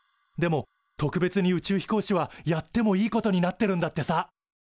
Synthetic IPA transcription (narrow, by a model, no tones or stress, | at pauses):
d̪e̞mo̞ | t̪o̞kɯ̟be̞t͡sɨɲ̟iɯ̟t͡ɕɨːçi̥ko̞ːɕiβ̞ajat̪ːe̞mo̞iːko̞t̪o̞ɲ̟inat̪ːe̞ɾɯ̟̃nd̪at̪ːe̞sa